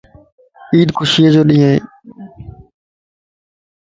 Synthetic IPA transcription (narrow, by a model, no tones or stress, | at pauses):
iːd̪kʰʊʃiːed͡ʒoːɗĩːeː